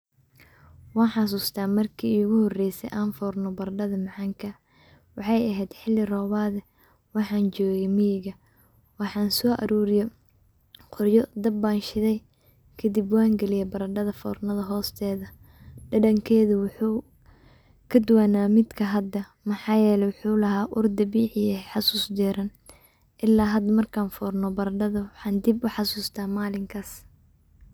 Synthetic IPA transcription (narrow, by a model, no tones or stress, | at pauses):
wɑːnħɑs̬uːst̪ʰaːmɐrkʰiːɣʊhɔrɛjsɛ̰jʔaːnfɔːrnɔbɐɾɖɐðɐmɑʕɑːŋkʰɐ | wɑħɑjɐɦɛjd̪ħɪlːɪrɔːβaːðɛ | wɑħɑːnt͡ʃɔːɣɛmijɪɣɐ | wɑħɑːnsɔːʔɐ̰ɾuːɾɪjɛ | qʰɔrjɔd̪ɐbːaːnʃɪðɛj | kʰɐd̪ɪbwaːŋɡɛlɪjɛbɐɾɐɖɐðɐfɔ̰ːrnɐðɐɦɔːst̪ʰɛːðɐ | ɖɐɖɐŋkʰɛːðʊwʊħuː | kʰɐd̪ʊwaːnaːmɪd̪kʰɐɦɐd̪ɐ | mɑħɑːjɛːlɛjwħuːlɐɦaːʔʊrd̪ɐbiːħɪjɛħɑsuːsd̪ɛːɾɐn | ʔɪlːaːɦɐd̪ɐmɐrkʰaːnfɔːrnɔbɐɾɐɖɐðɐwɑħɑːnd̪ibʊħɑsuːst̪ʰaːmaːlɪŋkʰɐs